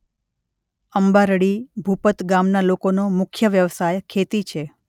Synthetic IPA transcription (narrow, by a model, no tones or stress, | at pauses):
əmbaɾɽibʱupət̪ɡamnalokonomʊkʰjəʋjəʋsajkʰet̪it͡ʃʰe